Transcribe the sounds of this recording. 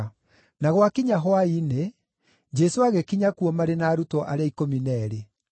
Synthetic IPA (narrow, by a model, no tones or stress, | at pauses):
naɣwakiɲaɦwaine | d͡ʒɛsoaɣɛkiɲakuɔmaɾenaːɾutɔʔaɾeaikominɛɾe